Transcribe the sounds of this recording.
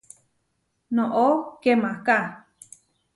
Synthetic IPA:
nõʔokemãka

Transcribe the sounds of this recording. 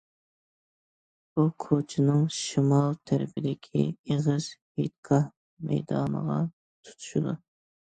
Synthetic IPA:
b̥ukʰot͡ʃʰɪnɨŋʃimɑlˠt̪ʰæɾɪpʰɪd̪ɪkʲʰḭeʁɨz̥het̪̚kʰɑh | mɛ̰jd̪ɑ̰ːnə̰ʁɑ | t̪ʰu̥t̪ʰu̥ʃud̪u

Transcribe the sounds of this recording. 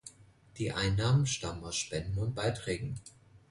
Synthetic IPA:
d̥iːʔa̰ɪnːaːmənʃtaməmaʊsʃpɛndn̩ʊnt̚b̥aɪtʁ̥ɛːɡŋ̩

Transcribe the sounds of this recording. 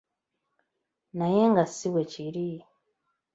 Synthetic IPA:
najeŋɡasiweciɾi

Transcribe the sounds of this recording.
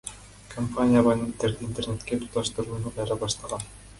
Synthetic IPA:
kʰompanʲijabanʲet̪ːeɾdɘint̪ernʲet̪kʲet̪u̥t̪ɑʃt̪ɤ̆ɾuːnɤmɑɾɑbɑʃt̪ˠɑʁɑn

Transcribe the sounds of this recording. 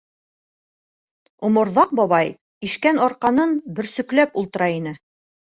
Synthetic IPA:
ŭmŏɾðɑq̚bɒβɑj | iʃkænɒɾqɑnɤnbɘ̆ɾsɵ̆klæpulˠt̪ɤ̆ɾɑinɘ

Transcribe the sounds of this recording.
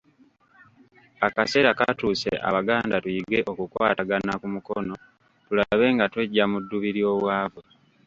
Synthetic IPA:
akase̞ːɾakatuːsḛʔa̰βaɡaːndatujiɡe̞ʔo̞kukwaːtaɡanakumukono̞ | tulaβe̞ːŋɡatwe̞ɟːamudːuβiɾjo̞ːβwaːvwe

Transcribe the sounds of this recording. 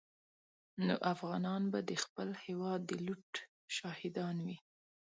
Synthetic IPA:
no̰ʔafɣɑnɑnbad̪əxpəlhewɑd̪ːəluʈ | ʃɑhɪd̪ɑnwi

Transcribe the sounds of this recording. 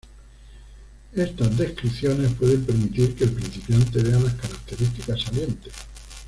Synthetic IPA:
e̞st̪azðe̞skɾiθjo̞ne̞spwe̞ðe̞mpe̞ɾmit̪iɾke̞ːlpɾin̟θipjant̪e̞β̞e̞alaskaɾak̚t̪e̞ɾist̪ikasːalje̞nt̪es

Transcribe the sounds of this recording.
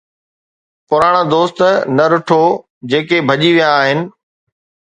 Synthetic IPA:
pʊɾaːɽ̃ad̪oːst̪nɐɾʊʈʰo | d͡ʑeːkebʱɐʄiʋijaːɦɪnɪ̆

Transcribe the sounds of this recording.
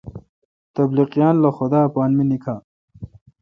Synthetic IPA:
t̪ɐbliqijaːnlɐxʊd̪aːpaːnminikʰaː

